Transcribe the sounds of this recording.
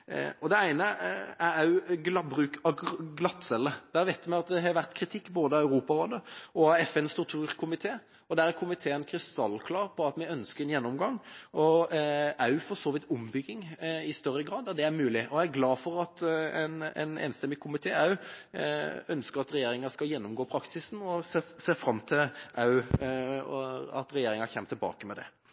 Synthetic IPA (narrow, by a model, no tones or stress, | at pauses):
ɔd̪ɛæɪnəæɾæɡlɑbɾʉːkɑɡlɑt̪ːsɛlːəd̪̥æːɾʋæɪt̪jmɛɑt̪̚d̪ɛɦɑɾʋæʁt̪kʰɾɪt̪ʰɪkːboːd̪əɑʉɾuːpɑɾoːd̪əɔɑɛfɛnst̪ʊkt̪ʰuːɾkʰʊmɪt̪ʰeː | ɔd̪æɾæɾkʰʊmɪt̪ʰeːənkʰɾɪst̪ɑlːkʰlɑːɾpʰɔɑt̪mɛɪœnskəɾɛnjɛnːɔmɡɑŋːɔ | ɑʉfɔʁʂoːʋɪt̪ʊmbʏɡɪŋɪst̪œrːəɡɾɑːd̪ːæd̪ɛæɾmʉːlɪʔɔæɡlɑːfɔɾɑt̪ɛnɛ̰nḛːnst̪ɛmːɪkʰʊmɪt̪ʰeːɑʉ | œnskəɾɑt̪ɾɛjeːɾɪŋəskɑljɛnːʊmɡoːpʰɾɑksɪsn̩ɔseːseːɾfɾɑmːt̪ʰɪlʔɑʉ | ɑ̰t̪ɾɛjeːɾɪŋɑçɛmət̪ʰɪlbɑ̰ːkəmɛd̪ɛ̰